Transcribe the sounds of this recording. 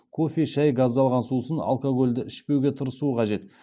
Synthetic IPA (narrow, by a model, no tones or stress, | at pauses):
kʰofeʃæjɡɑzːɑlˠʁɑnsusəna̰lˠkoɡo̞lʲd̪ɪɪʃpe̞wɡʲe̞t̪ʰəɾəsuəqʰɑʒe̞t̪